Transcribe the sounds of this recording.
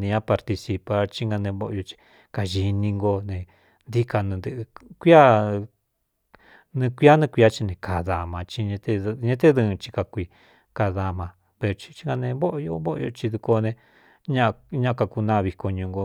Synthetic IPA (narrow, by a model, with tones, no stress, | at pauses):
nĩ˧ɲã˦pa˧ɾt̪i˧si˧pa˧t͡ʃi˦ŋɡa˧nẽ˧βo˦ʔo̰˧jo˧t͡ʃi̥˧ | ka˧ʒi˧nĩ˧ŋɡo˧nẽ˨ | nd̪i˦ka˧nũ˧nd̪ɨ˧ʔɨ˧kʷi˦a˦ | nĩ˧kʷi˦a˦nĩ˧kʷi˧a˦t͡ʃi˧nẽ˧ka˨ða˨mã˧t͡ʃi˧ɲẽ˧t̪e˦˧ɲẽ˧˦t̪̬e˦ðɨ̃˧t͡ʃi̥˧ka˧kʷi˧ | ka˧ða˧mã˧ | βe˧o˧t͡ʃi̥˧t͡ʃi̥˦ŋɡa˧nẽ˧βo˦ʔjo˧βo˦ʔo̰˧o̰˧t͡ʃi˧ðu˧ko˧nẽ˧ | ɲã˦ʔɲã˦˧ka˧ku˧nã˦˧βi˧ko˧ɲũ˧ŋɡo˧